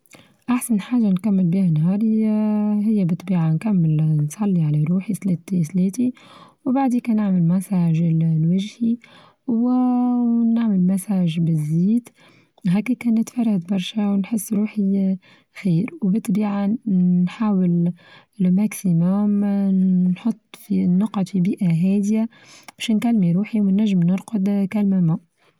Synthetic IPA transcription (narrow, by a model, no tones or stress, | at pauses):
ʔaħsanħaːʒːankamːɪlbiːhanɦɑːɾ | ɦɪjːabɪt̪ˤbiːʕankamːɪlnsˤɑlːialaɾuːħiθleːt̪iθleːt̪iwbaʕd̪iːkænɪʕmɪlmæsaːʒɪllwaʒhi | w | naʕmɪlmasaːʒbɪzːiːd̪ | ɦæːkikæːnːɪt̪fɑrˤːad̪bɑɾˤʃawnħɪsːɾuːħi | xiːɾwbɪt̪ːbiːʕanħaːwɪl | mæksimæm | nħot̪ˤːfinːʊqɑd̪fibiːʔaɦæːd̪ja | b̥ɛːʃnkælːmiɾuːħiwɪnːæʒːɪmnɪɾqʊd̪kælmæmæ